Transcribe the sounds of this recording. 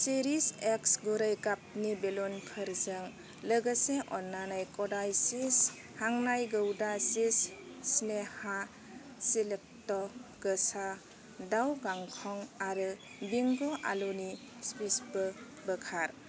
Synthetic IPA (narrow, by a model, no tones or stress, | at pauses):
seɾiseksɡuɾajkap̚nibelɔnkʰəɾzəŋ | ləɡəseʔɔnːanajkɔdajsis | haŋnajɡəwdasisːneha | silek̚tɔɡ̥əsa | dawɡaŋkʰɔŋaɾɯ | biŋɡɔʔa̰loni | spisbɯ | bəkʰaɾ